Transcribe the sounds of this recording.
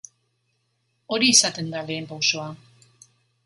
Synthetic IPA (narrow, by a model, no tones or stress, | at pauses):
o̞ɾiːsat̪e̞nd̪ale̞ːmpawso̞a